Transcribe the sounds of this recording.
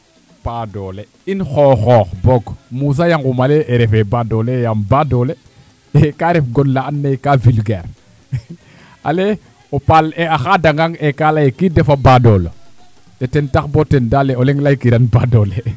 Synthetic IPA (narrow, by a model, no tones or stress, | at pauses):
padole | inxɔːxɔːxboɡmus̬ajaŋɡumaleʔːɾɛfebadolejambadole | ekaɾefɡonlaanːejkavilɡeːɾ | a̰le | opaleaxadaŋɡaŋekalajekidefabadolo̰ | tetɛntaxbotɛndaleoleŋlajkiɾanbadole